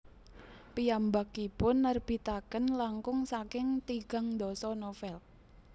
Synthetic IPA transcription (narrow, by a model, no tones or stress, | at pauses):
pijambakipʊnːərb̥i̤t̪akənlaŋkʊŋsakɪŋt̪iɡ̥a̤ŋnd̪ɔsɔnofɛl